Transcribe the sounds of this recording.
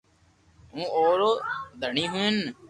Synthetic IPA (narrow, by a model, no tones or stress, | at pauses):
ũːoːɾoːd̪əɳiːɦʊen